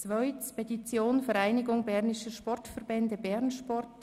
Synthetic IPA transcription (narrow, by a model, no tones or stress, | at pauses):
t͡svœʏt͡spʰɛdit͡sjoːnfɛɾaɪnɪɡʊŋbɛɾnɪʃəʃpɔrtfɛɾbɛndəbɛɾnʃpɔrt